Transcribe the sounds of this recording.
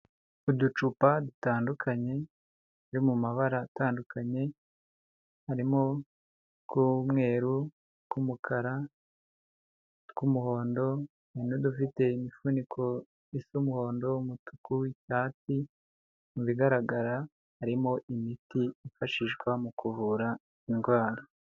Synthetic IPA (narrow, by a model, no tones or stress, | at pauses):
udut͡ʃupadutaːndukʰaɲe̞ | aɾimumaβaɾataːndukʰaɲe̞ | haɾimo | kumŋe̞ːɾu | kumukʰaɾa | kumuho̞ːndo̞ | inodufite̞imifunikʰo̞ | isumuho̞ːndo̞mutu̥kuiʃaːti | muβiɡaɾaɡaɾa | haɾimo̞ʔimitiifaʃiʒɡwamukʰuvuɾa | inɡwaːɾa